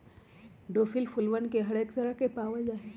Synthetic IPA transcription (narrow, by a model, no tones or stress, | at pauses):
ɖoːfʰilpʰulʋənkeɦɐɽeːkt̪əɾakepaːʋed͡ʒaːɦe